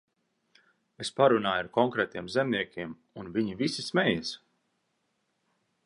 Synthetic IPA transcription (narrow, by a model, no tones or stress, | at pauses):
espaɾunaːjaɾkɔŋkɾɛːt̪iɛmzɛmniɛkʲiɛm | unviɲivisismɛjɛs